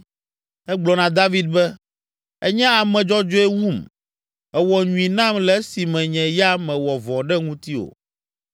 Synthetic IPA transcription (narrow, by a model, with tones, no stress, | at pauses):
ɛ˦ɡ͡blɔ˨nã˨d̪a˦vi˦d̪̚bɛ˦ | ɛ̰˦ɲɛ̃˦a˨mɛ̃˨d͡ʒɔ˦d͡ʒo˦ɛ˦wu˦m | ɛ˨wɔ˨ɲũ˨ĩ˨nã˦mlɛ˨˦si˨mɛ̃˨ɲɛ̃˨ja˦mɛ̃˨wɔ˨vɔ̃˨ɖɛ˦ŋũ˦t̪i˦o̰˨